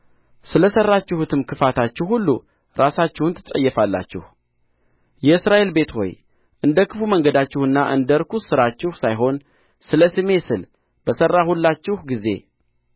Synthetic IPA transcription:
sɨləsərːat͡ʃːɪhut̪ʰɨmkʰɨfat̪ʰat͡ʃːɪhhulːṵ | ɾasat͡ʃːɪhunt̪ʰɨsʼə̰jːɛfalːa̰t͡ʃːɪ̰h | jɛɨsɾaʔe̞lbe̞t̪ho̞̰j | ʔɨnd̪əkʰɨfuməŋɡəd̪at͡ʃːɪhɨnːaʔɨnd̪əɾkʰusɨɾat͡ʃːɪhsajɦo̞n | sɨləsɨme̞sɨl | b̥əsərːahulːat͡ʃːɪhɡize̞̰

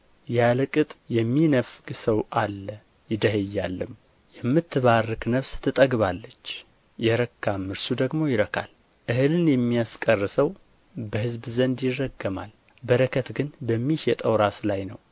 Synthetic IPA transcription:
jalɨkʼɨt̪ʼjɛmːinəfɡsəwʔalːə | jɪd̪əhəjːalːɨm | jɛmːɨt̪ʰːɨβarːɨknəβst̪ʰɨt̪ʼəɡβalːət͡ʃː | jɛɾəkːamːɨɾsud̪əɡmo̞jɪɾəkʰa̰l | ʔɨhɨlɨnjɛmːijaskʼərːɨsəw | bəhɨzbzənd̪jɪrːəɡːəma̰l | bəɾəkʰət̪ɡɨnbəmːihjɛt̪ʼəwɾaslajnə̰w

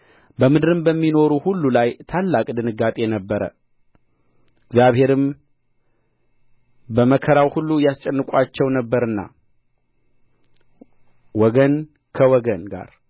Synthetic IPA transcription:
bəmɨd̪ɨɾɨmbəmːino̞ɾuhulːulajt̪ʰalːakʼd̪ɨnɨɡat̪ʼe̞jɛnəbːəɾə̰ | ɪɡzjaβhe̞ɾɨm | bəməkʰəɾawhulːujast͡ʃʼɛnːɨkʼat͡ʃːɛwnəbːəɾɨnːa̰ | wɔɡən | kʰəwɔɡənɡa̰ɾ

